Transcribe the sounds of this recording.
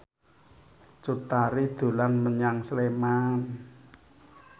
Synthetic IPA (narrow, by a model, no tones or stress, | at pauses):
t͡ʃut̪aɾid̪̥o̤lanməɲaŋsleman